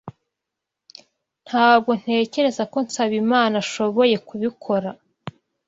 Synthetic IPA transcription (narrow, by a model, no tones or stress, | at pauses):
n̥haːb̚ɡo̞n̥he̞ːce̞ɾe̞zako̞nsaβimaːnaʃo̞βo̞je̞kuβikʰo̞ɾa